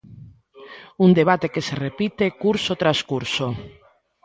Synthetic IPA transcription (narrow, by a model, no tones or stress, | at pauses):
uŋd̪eβ̞at̪ekeserepit̪ekuɾsot̪ɾaskuɾso